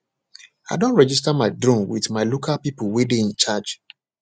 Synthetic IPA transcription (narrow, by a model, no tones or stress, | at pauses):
a̰ɪdõntɹɛd͡ʒis̬tamaɪdɹõmwḭðmaɪlokʰalpipʊwedeĩnt͡ʃad͡ʒ